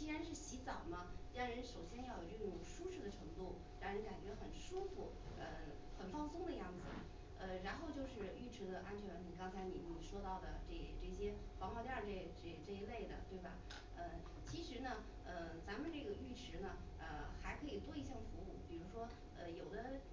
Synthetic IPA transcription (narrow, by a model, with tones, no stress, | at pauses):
t͡ɕi˥ɻa˧˥nʂɻ̩˥˩ɕi˧˥t͡sɑ˨˩ʊmɐ˦ɻɑ˥˩ŋɻə˧˥nʂo˨˩ʊɕjɛ˥njɑ˥˩ʊjo˨˩ʊʈ͡ʂɤ˥˩ʈ͡ʂʈ͡ʂʊ˨˩ŋʂu˥ʂɻ̩˥˩d̪ə˩ʈ͡ʂʰɤ˧˥ŋt̪u˥˩ | ɻɑ˥˩ŋɻə˧˥nka˨˩ɪt͡ɕɥɛ˧˥xə˨˩nʂu˥fu˨˩ | ə˧ | xə˨˩nfɑ˥ŋsʊ˥ŋd̪ə˨˧jɑ˥˩ŋd͡zɹ̩˩ | ə˧ɻa˧˥nxo˥˧ʊt͡ɕjo˥˧ʊʂɻ̩˥˧y˥˩ʈ͡ʂʰɻ̩˧˥d̪ə˧ʔa˥nt͡ɕʰɥɛ˧˥nni˨˩kɑ˥ŋt͡sʰa˧˥ɪni˨˩mə˧˥n˨˩ʂwɔ˥t̪ɑ˥˩ʊd̪ə˩ʈ͡ʂɤ˥˩˧ʈ͡ʂɤ˥˩ɕjɛ˥fɑ˧˥ŋxʰwt̪jɑ˥˧ʈ͡ʂe˥˩ʈ͡ʂʈ͡ʂə˥˧i˧˥le˥˩ɪd̪ə̰˩t̪we˥˩ɪbɐ̰˩ | ə˥˧ | t͡ɕʰi˧˥ʂɻ̩˧˥nə˧ | ə˧t͡sa˧˥mə˨nʈ͡ʂɤ˥˩ɡə˩y˥˩ʈ͡ʂʰɻ̩˧˥nə˧ | ə˧xa˧˥ɪkʰɤ˧˥i˨˩t̪wɔ˥i˥˧ɕjɑ˥˩ŋfu˧˥u˥˩pi˨˩ɻu˧˥ʂwɔ˥ | ə˧jo˨˩ʊd̪ə˦